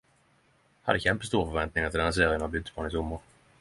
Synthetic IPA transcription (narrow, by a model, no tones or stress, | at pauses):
had̪ːəçɛmpəst̪uːɾfœɾvɛnt̪̚nɪŋaɾt̪ɪld̪ɛns̬eːɾɪjənavbʏd̪spʰɑːnɪsʊmːəɾ